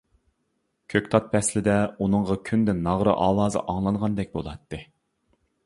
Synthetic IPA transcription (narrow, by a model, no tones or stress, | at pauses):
kʲʰøkʲt̪ʰɑt̪̚pʰɛslɪd̪ɛunɨɴʁɑkʲʰynd̪ɪnːɑʁɾɨ̰ʔɑːlˠɑːzɨ̰ʔɑŋlˠɑɴʁɑnd̪ɛk̚ʲbo̰lˠɑt̪ːɨ